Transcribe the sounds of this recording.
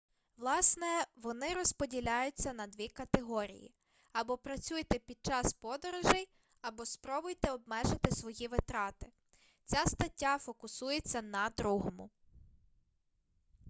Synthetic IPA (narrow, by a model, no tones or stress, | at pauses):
ʋlˠɑsnɛʋɔnɪɾɔspɔdʲilʲajʊt͡sʲːɐnɐd̪ʋʲikɐt̪eɦɔɾʲḭjḭ | ɐbɔpɾɐt͡sʲujt̪ɛpʲid̪̚t͡ʃɑspɔd̪ɔɾɔʒɛj | ɐbɔspɾɔbʊjt̪ɛɔb̚mɛʒɪt̪ɪsʋɔjiʋɪt̪ɾɑt̪ɪ | t͡sʲast̪ɐtʲːafɔkʊsujet͡sʲːɐnɐd̪ɾuɦɔmʊ